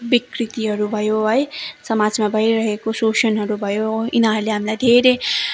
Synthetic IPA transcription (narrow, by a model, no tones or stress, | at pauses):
bikrit̪iɦʌɾubʱʌjoɦʌjsʌmad͡zmabʱʌjɾʌɦekososʌnɦʌɾubʱʌjoinaɦʌɾleɦamilajd̪ʱeɾe